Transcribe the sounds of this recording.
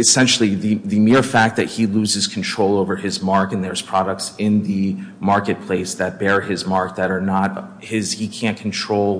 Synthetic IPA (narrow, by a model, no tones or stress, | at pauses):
ɨsɛ̃nʃl̩ˠiðɨðɨmɪɹfæk̪̚ðɨt̚hiluzɨz̥kʰn̩tʰɹ̥oʊlˠoʊvə˞ɪzmɑɹkɨ̃nðə˞z̥pʰɹ̥ɑɾək̚tsɪ̃nðɨmɑɹkɨt̚pʰl̥eɪsðɨt̚b̥ɛɹɪzmɑɹk̚ðɨɾə˞nət̚ | hɪz̥hikʰæ̃nkʰn̩tʰɹ̥oʊlˠ